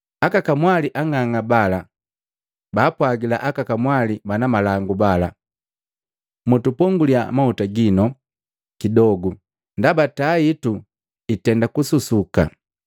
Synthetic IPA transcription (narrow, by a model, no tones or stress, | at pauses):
akakamwaliʔaŋaŋabala | baːpwaɡila̰ʔakakamwalibanamalaŋɡubala | mutupɔŋɡuliamautaɡinɔ | kidɔɡu | ndabataitu | itɛndakususuka̰